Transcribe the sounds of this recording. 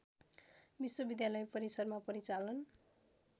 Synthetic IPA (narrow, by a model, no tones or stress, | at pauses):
biswʌbid̪jalʌjpʌɾisʌrmapʌɾit͡salʌn